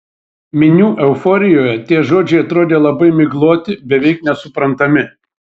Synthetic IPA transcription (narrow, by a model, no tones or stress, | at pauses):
mʲɪnʲuːʔɛʊfɔːɾʲɪjoːjɛt̪ʲiɛʒoːd͡ʒʲɛɪɐt̪ɾoːd̪ʲeːlˠɐbɐɪmʲɪɡlˠuːt̪ʲɪbʲɛʋʲɛɪknʲɛsʊpɾɐnt̪ɐmʲɪ